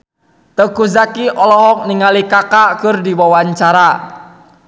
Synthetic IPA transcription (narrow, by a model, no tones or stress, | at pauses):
t̪əkuzakiʔɔlɔhɔk̚niŋalikakaʔkʊrdiwɔwaɲt͡ʃaɾa